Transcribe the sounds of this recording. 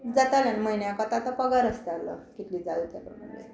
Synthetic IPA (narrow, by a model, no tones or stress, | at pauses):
d͡zat̪aljanməinjakat̪at̪apəɡaɾəst̪alə̰kit̪liːd͡zalt̪aɾəməɡḛ